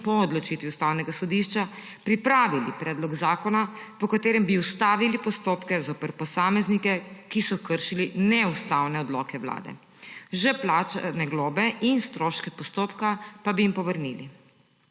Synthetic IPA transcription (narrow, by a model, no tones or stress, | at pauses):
pɔɔd̪lɔt͡ʃit̪ʋiust̪aːwnɛɡasɔd̪iʃt͡ʃa | pɾipɾaːʋilipɾɛːd̪lɔɡzaːkɔnapɔkat̪eːɾɛmbiust̪aːʋilipɔst̪oːpkɛzoːpəɾpɔsaːmɛznikɛkisɔkəɾʃilinɛust̪awnɛɔd̪lɔkɛwla̰ːd̪ɛ̰ | ʒɛplaːt͡ʃanɛɡloːbɛʔinst̪ɾoːʃkɛpɔst̪oːpkapabijimpɔʋəɾnili